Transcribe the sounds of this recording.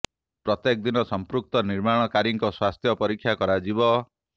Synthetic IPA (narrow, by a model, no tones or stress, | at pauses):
pɾɔt̪jek̚d̪inɔsɔmpɾuk̚t̪ɔniɾmaɽ̃ɔkaɾiŋkɔswast̪ʰjɔpɔɾikʰːjakɔɾad͡ʒibɔ